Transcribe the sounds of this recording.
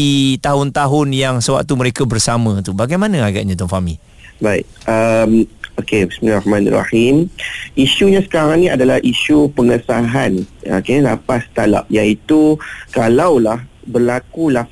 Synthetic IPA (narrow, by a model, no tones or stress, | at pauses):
it̪aɦʊnt̪aɦʊnjaŋsəwa̰k̚t̪uməɾekabərsamãt̪ubaɡajmãnãaɡa̰ʔɲãt̪ɔnfami | baḭt̚ʔəmokebismilrahmãna̰ra̰himʔiʃuɲãsə̥kaɾaŋnĩadalahʔiʃupəŋəsaɦanokelapast̪ala̰p̚jait̪ukalawlahbərlakulah